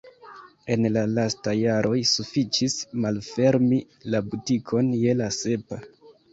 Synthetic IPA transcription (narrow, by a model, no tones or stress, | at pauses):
e̞nlalastajaɾʔo̞jsufit͡ʃismalfe̞ɾmi | labutikʰo̞nje̞lase̞pa